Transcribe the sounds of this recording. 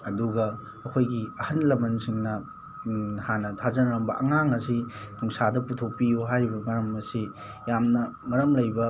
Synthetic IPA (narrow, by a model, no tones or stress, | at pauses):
ɐduɡɐː | kʰojɡiɐhɐnlɐmɐnsiŋnɐ | hanɐtʰazɐnɐɾɐmbɐʔɐŋaŋɐsinuŋsadɐputʰok̚pijuɦajɾibɐŋɐɾɐmɐsi | jamnɐŋɐɾɐmlɐjbɐ